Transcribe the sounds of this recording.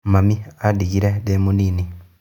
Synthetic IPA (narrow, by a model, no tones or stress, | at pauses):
mamiadiɡiɾedemuniːni